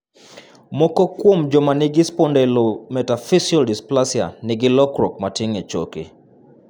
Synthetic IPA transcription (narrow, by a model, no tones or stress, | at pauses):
mɔkɔkwomd͡ʒɔmanɪɡispɔndɛlomɛtafisiɔldisplasja̰nɪɡɪlɔkɾɔk̚matɪŋɛt͡ʃo̰kḭ